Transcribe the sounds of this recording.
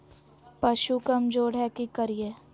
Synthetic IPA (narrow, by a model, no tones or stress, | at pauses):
pɐʃukɐmd͡ʒoːɽɦɛkikɐɾieː